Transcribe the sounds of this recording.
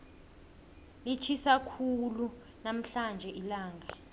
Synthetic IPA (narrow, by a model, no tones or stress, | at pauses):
lit͡ʃʰisakʰulu | nam̩ɬand͡ʒʱɛʔilaːŋɡʱa